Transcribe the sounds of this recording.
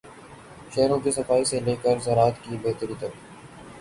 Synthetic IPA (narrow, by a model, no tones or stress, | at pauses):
ʃɛɦɾõkesɐfaːiseleːkəɾzɐɾaːt̪kibeːɦt̪əɾiːt̪ɐɾ